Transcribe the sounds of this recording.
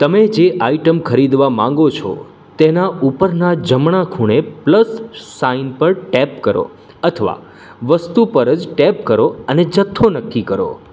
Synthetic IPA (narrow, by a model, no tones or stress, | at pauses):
t̪əmed͡ʒeʔaiʈəmkʰəɾid̪ʋamãŋ̆ɡot͡ʃʰo̰ | t̪enaupəɾnad͡ʒəmɳakʰuɽ̃epləsːainpəɾʈɛpkəɾo̰ | ət̪ʰəʋa̰ | ʋəst̪upəɾəd͡ʒʈɛp̚kəɾoəned͡ʒət̪ʰːonəkʰːikəɾo̰